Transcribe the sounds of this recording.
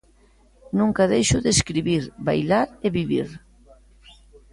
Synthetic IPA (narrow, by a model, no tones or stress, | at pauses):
nũŋkaðejʃʊðeskɾiβiɾba̰jlaɾeβiβiɾ